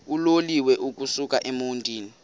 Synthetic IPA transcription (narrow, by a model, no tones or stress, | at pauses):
uloliwɛʔuk̬ʼusukʼaʔemuntʼiːni